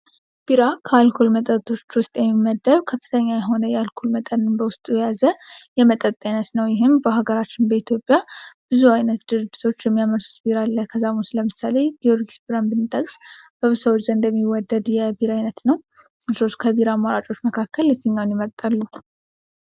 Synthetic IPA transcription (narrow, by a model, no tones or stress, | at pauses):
b̥iɾakʰəalkʰulmət̪ʼəɾt̪ʰo̞t͡ʃːwʊst̪ʼjɛmːimːəd̪ːəβkʰəfːɨ̥t̪ʰəɲːajɛɦo̞nəjɛalkʰulmət̪ʼənɨmbəwʊst̪ʼujjazəjɛmət̪ʼət̪ʼːajnət̪nəwjɪɦɨmbəɦaɡəɾat͡ʃːɪnbəit̪ʰjo̞pʼːjab̥ɨzuajnət̪d̪ɨɾɨd͡ʒːit̪ʰo̞t͡ʃːjɛmːijaməɾsu̥t̪biɾalːəhkʰəzamusləmɨsale̞d̪io̞ɾɡisbiɾambɨnt̪ʼəkʼsb̥əβsəwt͡ʃːzəɨnd̪əmːiwɔd̪ːəd̪jɛbiɾajnət̪nəw | ɨso̞skʰəbiɾamaɾat͡ʃʼo̞t͡ʃːməkʰakʰːəlːɛt̪ʰːɨɲːawnjɪməɾt̪ʼalːu